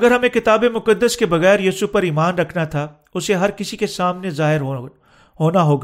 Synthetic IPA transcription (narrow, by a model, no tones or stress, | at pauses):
ɐɡəɾɦɐmẽkɪt̪aːbemʊkəd̪ːəskebɐɣɛːɾjiːsupɐɾiːmaːnɾɐkʰnat̪ʰa | ʊseɦɐɾkɪsikesaːmnezaːɦɪɾ | ɦoːnaɦoːɡaː